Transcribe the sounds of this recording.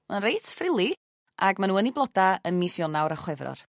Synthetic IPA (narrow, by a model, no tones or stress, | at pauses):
manrejtfrɪlˠi | ʔaɡmanuːəniblˠɔdaənmisjɔnawɾaχwɛvrɔ̰r